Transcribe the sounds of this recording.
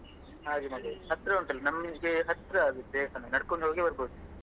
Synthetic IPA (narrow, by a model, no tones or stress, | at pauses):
ɦaːɾimɐɡɐhɐt̪ɾɐuɳʈɐlːɐnɐmːɡeɦɐt̪ɾɐːɡid̪eːsɐnɐnɐɽkoɳɦoːɡebɐɾboːd̪u